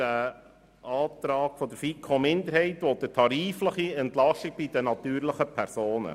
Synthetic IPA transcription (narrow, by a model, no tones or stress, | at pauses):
æ | ɑːt̪ɾɑːɡ̥fɔd̥̪əɾfikʰomɪnd̪əɾhɛɪtʋod̪ətʰɑɾiːfləχiɛntlɑʃtiɡ̥̚b̥id̥̪ənɑt̪yːɾləχəpʰæɾsoːnə̰